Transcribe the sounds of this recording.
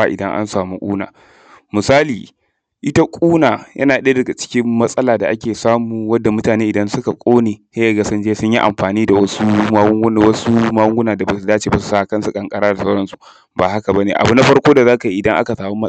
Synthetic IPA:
a˨ʔɪ̰˨dɐ˦ŋʔa̰˦nsaː˨mu˦kʷʼṵː˦na̰ː˨ | mʊ˨saː˦liː˨ | ʔɪ˦ta˦kʷʼuː˦naː˨jʔɐ̰˦naː˨ɗdɐ˨ɡa˨t͡ʃɪ̥˦kʲɪ˦mːɐ˦sʼɐ˦laː˨da˨ʔa˦kʲeː˨saː˦muː˨wɐ˦dːa˨mʊ˦taː˨neː˦ʔɪ˨dɐ˦nsʊ˦ka˨kʷʼoː˦neː˨he˦ja˨ɡa˨sʊ˦nd͡ʒeː˦sʊ˦ɲji˦ʔa̰˨mɸaː˨niː˦da˨wɐ˦su˦ma˦wʊ˦ŋɡn˨wɐ˦su˦ma˦wʊ˦ŋɡʷʊ˦naː˨da˨ba˨su˦daː˦t͡ʃeː˨ba˨su̥˨saː˦a˨kɐ˦nsu˨kʼɐ˨ŋkʼɐ˦ɽaː˦da˨sa˦ɽɐ˦nsu̥˨ | baː˨ha˦ka˨ba˦neː˨ʔa̰˨bu˦na˦ɸɐ˦ɽkʷoː˦da˨zaː˦ka˨i˨ʔɪ˨dɐ˦ŋʔa̰˦ka˨saː˨wu˦mɐ˦

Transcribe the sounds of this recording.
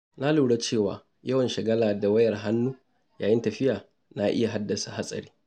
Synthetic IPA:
na˦luː˨ɽa˦t͡ʃeː˦˨wa̰ː˨ | jɐ˦wɐ˨nʃɐ˨ɡɐ˦laː˨da˨wɐ˦jɐ˨rɦa˦nːu˦ | jaː˨jɪ˦ntɐ˨ɸɪ˦jaː˨ | na˦ʔɪ̰˦ja˨ɦa˦dːɐ˨sa˨ha˦sʼɐ̰˨ɾiː˦

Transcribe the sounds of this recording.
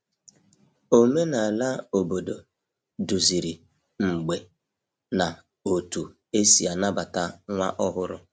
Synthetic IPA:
o˦me˦na˨a˨la˦o˨bo˨do˨ | du˨zi˨ɾi˨ | ŋ͡m̩˨ɡ͡be˨ | na˨ | o˨tu˨ | e˦si˨a˨na˦ba˨ta˦ŋʷa̰˦ʔɔ˦ɦʊ˦ɾʊ̰˦

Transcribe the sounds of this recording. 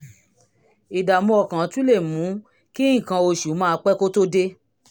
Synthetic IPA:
i˨da˨mɔ̃˧˦ɔ˨kã˨˦tũ˦le˦˨mũ˨˦ | ki˦ĩ˦˨kã˧o˧ʃu˨˦mãː˦˧˦k͡pɛ˦ko˦to˦de˦

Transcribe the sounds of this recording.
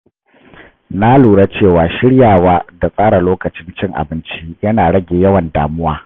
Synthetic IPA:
na˦luː˨ɽa˦t͡ʃeː˦˨waː˨ʃɪ˦ɽjaː˨waː˦da˨sʼaː˦ɽa˨loː˦kɐ˨t͡ʃɪ˦nt͡ʃɪ˦ŋʔa̰˨bɪ˦nt͡ʃi˦jɐ˦naː˨ɽɐ˦ɡʲeː˨jɐ˦wɐ˨nda̰ː˨mʊ˦waː˦

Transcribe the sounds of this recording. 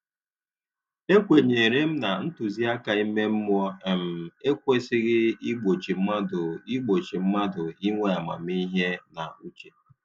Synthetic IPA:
e˦kʷe˨ɲe˨ɾe˦m̩˦na˨n̩˦tu˨zi˦a˦ka˨i˦me˦m̩˦mʷ˦ɔ˦e˨m̩˨e˦kʷe˦sɪ˦ɣɪ˦i˦ɡ͡bo˨t͡ʃi˨m̩˦ma˦dʊ˨i˦ɡ͡bo˨t͡ʃi˨m̩˦ma˦dʊ˨i˦ŋʷe˦a˨ma̰˨m˦i˦ɦe˦na˨u˦t͡ʃe̥˨

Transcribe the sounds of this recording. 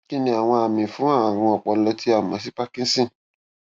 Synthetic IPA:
ki˦nĩ˧a˨w̃ɔ̃˧a˨mĩ˨fũ˨˦a˦˨ã˨ɾɔ̃˧ɔ˨k͡pɔ˨˦lɔ˧ti˨˦a˦˨mã˨˦s̬i˦k͡pa˦kĩ˦sĩ˦˨

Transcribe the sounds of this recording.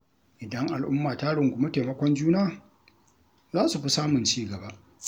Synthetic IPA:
ʔɪ˨dɐ˦ŋʔa˨lʔʊ˦mːaː˨taː˦ɽɪ˨ŋɡʷʊ˨ma˦teː˨mɐ˦kʷɔ˦nd͡ʒuː˦naː˦ | zaː˦su˨ɸi˦saː˦mʊ˨nt͡ʃiː˦ɡɐ˨ba˦ʔ

